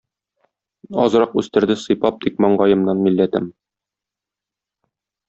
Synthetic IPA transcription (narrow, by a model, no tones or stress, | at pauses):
ɒ̰zɤ̆ɾɑqʉst̪ɘ̆ɾd̪ɘsɤ̆jpɑp̚d̪ikmɒɴɢɑjɤ̆mnɑnmilːæt̪ɘm